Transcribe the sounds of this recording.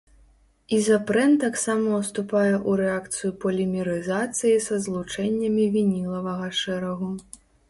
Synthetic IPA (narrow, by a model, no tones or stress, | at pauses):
izapɾɛnt̪aksamɐwst̪upajɛʔuɾɛak̚t̪sɨjupɐlʲimʲiɾɨzat̪sɨjisɐzlˠut͡ʂɛnʲːɐmʲivʲinʲilˠɐvɐɣɐʂɛɾɐɣu